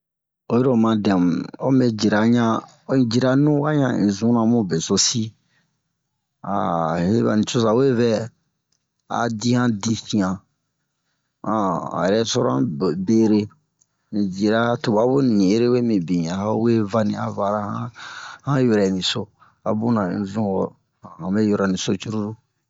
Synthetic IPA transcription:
o˨jɾo˨mã˨dɛ̃˨m˨o˦me˦d͡ʒi˨ɾa˨ɲã˦ | o˦ĩ˨d͡ʒi˨ɾa˦˨nũ˦wa˦ɲã˨ḭ̃˨zũ˦nã˨mũ˦be˨so˦si˦ | a̰˨he˦βa̰˨nĩ˨t͡ʃo˦sa˨we˦vɛ˦ | a̰˨di˦hã˦dĩ˦fĩ˨ã˨ | ã˨a̰˨jɾɛ˦sɔ˦ɾã̰˦˨be˦ɾe˦ | ĩ˨d͡ʒi˨ɾa˦to˨ba˨˦bo˦nĩ˨˦ɾe˦we˦mĩ˨bĩ˨a˨ha˦we˦va˦nĩ˨a˨va˨ɾa˦hã˦hã˦jɛ˨ɾɛ˨nĩ˨so˦ | a̰˨bũ˦nã˨ḭ̃˨zũ˦wɔ˨ | ã˨hã˨be˦jɔ˦ɾɔ˨nĩ˨so˦t͡ʃu˦ɾu˦ɾu˦

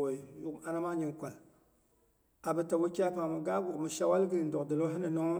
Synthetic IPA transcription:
o˨ju˦a˦na˦ma˦ɲi˦ŋkʷa˨l | a˨bɨ˨ta˨wo˦kʲːpa˨mɨ˨ɡa˦ɡʊ˨mɨ˨ʃa˦wa˦lɡɨ˦ɾi˨n̩˦dɔ˨kdɨ˨lo˦ɦi˦na˨nɔ˦

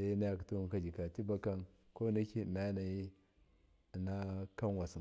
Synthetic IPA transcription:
sa˦ji˦na˦ja˨ktu˦˨ka˦d͡ʒi˨ka˨ti˦ba˦ka˦n | ko˦na˦ki˦˨na˦na˨ji˦˨ | na˦ka˦n˦wa˨si˨

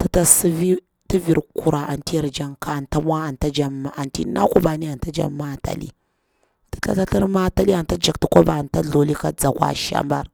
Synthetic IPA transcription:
tə˨ta˦sə˦vi˦ | tə˦vi˨ɾku˨ɾa˨ʔa˨nti˦˨ɾd͡ʒa˦ŋka˦˨nta˦mʷ˦a˦a˨nta˦d͡ʒa˦m˨a˨ntḭ˦na̰˦ko˦ba˨ni˦a˨nta˦d͡ʒa̰˦mːa˦ta̰˨lḭ˦ | tə̥˨ta̰˦ta˦ɬə˦ɾma˦ta˦li˦a˨nta˦d͡ʒa˨ktu˨kʷo˦ba˨nta˦ɮo˨li˦ka˦d͡za˨kʷa̰˦ʃa̰˦mba̰˦ɾ

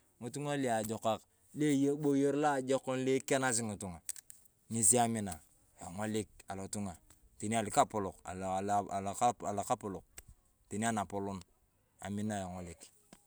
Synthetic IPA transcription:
ŋu˨tu˦ŋa˦li˦a˨d͡ʒo˨ka˦k | le˦jo˦ɓo˦jo˦ɾla˦˨d͡ʒo˦ko˦nle˦ke˦na˦s̬i˦ŋu˨tu˨ŋa˨ | ni˨si˦a˦mi˦na˨ | jo˨ŋo˦li˦k̚a˨lo˨tu˦ŋa˨ | ti˨ni˦a˨li˨ka˦pu˨lo˨ka̰˨la˨la˨ka˦pu˨lo˨k̚ | ti˨ni˦a˦˨na˨po˨lu˦n | a̰˨mi˦na˦˨ja˨ŋo˨li˨k

